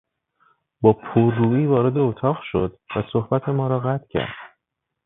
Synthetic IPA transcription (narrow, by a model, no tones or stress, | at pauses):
bɒːpʰoɾd̪uːiːvɒːɾe̞d̪e̞ot̪ʰɒːʁʃo̞d̪væso̞hbæt̪ʰe̞mɒːɾɒːɣæt̪ʰcʰæ̰ɾd̪̥